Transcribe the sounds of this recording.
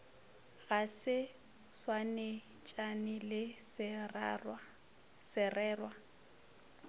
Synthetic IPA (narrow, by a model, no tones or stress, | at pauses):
ɣasɪ | swanɪ | t͡ʃʼanɪlɪ | sɪrɛːrwa